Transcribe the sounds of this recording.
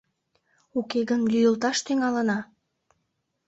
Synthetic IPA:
ukeɡənlyjəlt̪ɑʃt̪yŋɑlənɑ

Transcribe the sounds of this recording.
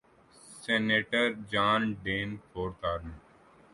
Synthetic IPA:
seːneːʈəɾd͡ʒaːnɖeːnt̪ʰoːɾt̪aːɾn

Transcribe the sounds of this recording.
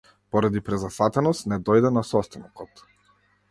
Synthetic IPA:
pɔɾad̪ipɾɛzasat̪ɛnɔst̪nɛd̪ɔjd̪ɛnasɔst̪anɔkɔt̪

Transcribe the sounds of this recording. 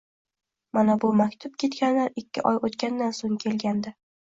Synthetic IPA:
manabʊmakʲt̪ʰʊp̚kʲʰe̞t̪kʲanlaɾɪkʲʰːɪ̰ʔɒjot̪kʲand̪ansoŋkʲʰe̞lɡʲand̪ɪ

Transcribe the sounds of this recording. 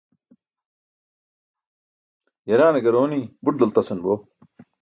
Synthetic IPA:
jɐɾaːneɡɐɾoːnibuʈ̚d̪ɐlt̪ɐsɐnboː

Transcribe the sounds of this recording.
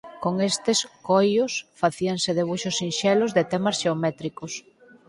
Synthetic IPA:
koŋest̪ɪskojʊsfaθiaŋseðeβuʃʊsinʃɛlʊzðet̪ɛmɐsʃeomɛt̪ɾikʊs

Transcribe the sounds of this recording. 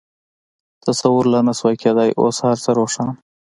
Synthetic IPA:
t̪əsawuɾlanaswakʰed̪ajʔo̰shaɾsəɾoʂɑːn

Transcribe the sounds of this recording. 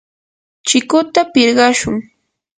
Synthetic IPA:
t͡ʃɪkʊt̪apɪɾɢɑʃʊŋ

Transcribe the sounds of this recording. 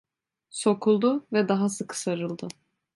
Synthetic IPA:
so̞kʰulˠd̪ʊvɛd̪aɦasɯkʰɯ̥saɾɯlˠd̪ɯ

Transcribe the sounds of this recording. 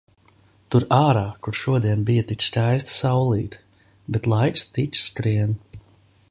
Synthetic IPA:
t̪uɾaːɾaːkuɾʃuɔd̪iɛnbijat̪iksʲtʲajst̪sawlˠiːt̪ | bɛt̪lˠajkst̪it͡ʃskɾiɛn

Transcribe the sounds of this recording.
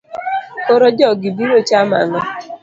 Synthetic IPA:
koɾod͡ʒɔɡɪbiɾot͡ʃama̰ŋɔ

